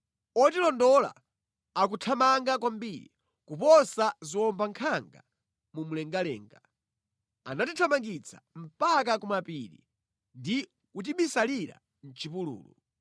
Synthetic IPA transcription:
ɔtilɔndɔla̰ | ak̬utʰamaŋɡakwambiɾi | kupɔsaziwɔmbaŋkʰaŋɡa̰ | mumulɛŋɡalɛ̰ːŋɡa | a̰natitʰamaŋɡit͡sʰḁm̩pak̬akumapiɾḭ | ndi | kutiɓisaliɾa̰ | n̩t͡ʃipulṵːlṵ

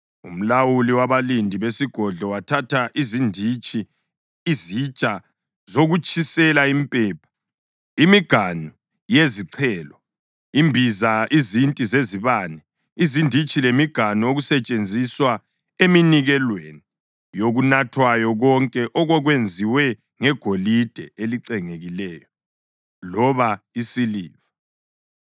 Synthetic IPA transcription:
ṵm̩lawuliwaβalindʱiβesiɡ̥ʱɔɮɔwatʰatʰaʔizindʱit͡ʃʼiː | zit͡ʃʼa | zoɣut͡ʃʼʰisɛlaimpʼɛːpʰḁ | imiɡ̥ʱanu | jeziǀʰɛːlɔ | imbʱizaʔizintʼizeziβaːnɛ | izindʱit͡ʃʼilemiɡ̥ʱanuoɣusɛt͡ʃʼend͡zʱiswa | eminiɣɛlweni | joɣunatʰwajɔɣɔŋkʼɛʔɔɣɔɣwend͡zʱiwɛ | ŋɛɡ̥ʱolid̥ʱɛeliǀɛŋeɣilɛːjɔ | lɔβaisiliːva

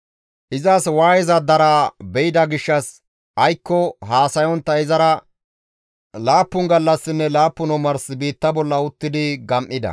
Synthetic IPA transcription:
ʔɪzɐswaːjɛzɐd̪ɐɾabɛjɪd̪ɐɡɪʃːɐs | ʔɐjkːɔhaːsɐjɔnt̪ːɐɪzɐɾɐ | laːpːʊŋɡɐlːɐsːɪnːɛlaːpːʊnɔmɐɾsɪbiːt̪ːɐbɔlːɐʊt̪ːɪd̪ɪɡɐmʔːɪd̪ɐ̰

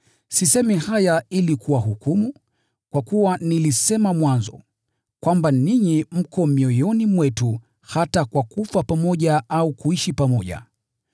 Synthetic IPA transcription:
sisɛmihajailikʰuwaɦukumu | kwakuwanilisɛmamwanzɔ̰ | kwambaniɲim̩kɔmiɔjɔnimwɛtu | hatakwakufapamɔʄaʔaukuiʃipamɔʄa̰

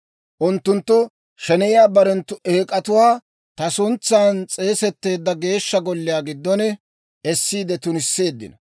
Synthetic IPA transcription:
ʔʊnt̪ːʊnt̪ːʊ | ʃɛnɛjɪjaːbɐɾɛnt̪ːʊʔeːkʼɐt̪ʊwaː | t̪ɐsʊnt͡sːaːnt͡sʼe̞ːsɛt̪ːe̞ːd̪ːɐɡe̞ːʃːɐɡɔlːɪjaːɡɪd̪ːɔnɛ | ɛsːiːd̪ɛt̪ʊnɪsːe̞ːd̪ːɪ̰nɐ

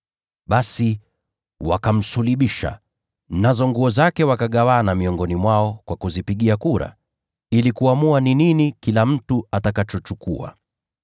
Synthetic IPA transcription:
ɓasi | wa̰kam̩suliɓiʃa̰ | nazɔŋɡuɔzakɛwakaɠawanamiɔŋɡɔnimwaɔkwakuzipiɠiakuɾa̰ | ilikuamuanininikilam̩tuatakat͡ʃɔt͡ʃukṵa̰

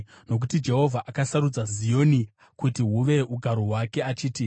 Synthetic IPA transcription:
no̞k̬utid͡ʒe̞ɦo̞vʱaʔakasaɾud͡zazijo̞ni | kutiɦuʋe̞uɡʱaɾoɦwake̞at͡ʃiːti

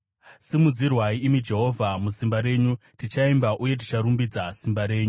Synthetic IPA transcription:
simud͡zirwaiːmid͡ʒe̞ɦo̞vʱamusimbaɾe̞ːɲutit͡ʃaimbaʔuje̞t̬it͡ʃaɾumbid͡zasimbaɾe̞ːɲu

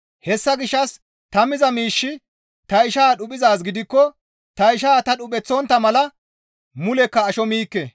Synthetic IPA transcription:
hɛsːɐɡɪʃːɐs | t̪ɐmɪzɐmiːʃːɪ | t̪ɐɪʃaːɗʊpʼɪzaːs̬ɡɪd̪ɪkːɔ | t̪ɐɪʃaːt̪ɐɗʊpʼɛt͡sːɔːnt̪ːɐmɐlɐ | mʊlɛkːɐːʃɔmiːkːɛ

